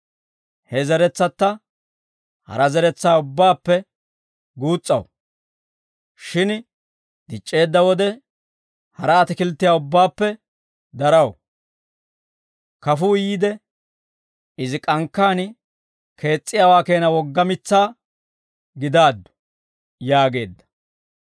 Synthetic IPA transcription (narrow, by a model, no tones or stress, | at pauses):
hɛzɛɾɛt͡sːɐt̪ːɐ | hɐ̰ɾɐzɛɾɛt͡sːaːʊbːaːpːɛ | ɡuːt͡sʼːɐ̰w | ʃɪn | d̪̥ɪt͡ʃʼːe̞ːd̪ːɐwɔd̪ɛ | hɐɾɐːt̪ɪkɪlt̪ːɪjaːʊbːaːpːɛ | d̪ɐɾɐw | kɐfuːjiːd̪ɛ | ɪzɪkʼɐŋkːaːn | kʰe̞ːt͡sʼːɪjaːwaːke̞ːnɐwɔɡːɐmɪt͡sːaː | ɡɪd̪aːd̪ːʊ̥ | jaːɡe̞ːd̪ːɐ̥